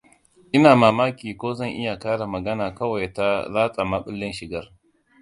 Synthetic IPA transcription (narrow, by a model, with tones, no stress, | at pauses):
ʔɪ˦naː˨maː˨maː˦kʲiː˨kʷoː˦zɐ˦˨ŋʔɪ˦ja˨kaː˦ɽa˨mɐ˨ɡɐ˦naː˨kɐ˦wa˨jta˦laː˦sʼa˨maː˦ɓɪ˦lːɪ˦nʃɪ˨ɡɐ˦r